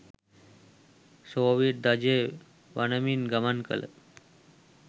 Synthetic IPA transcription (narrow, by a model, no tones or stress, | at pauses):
soʋiʈ̚d̪ad͡ʑe | ʋanəminɡəmankə̰lə̰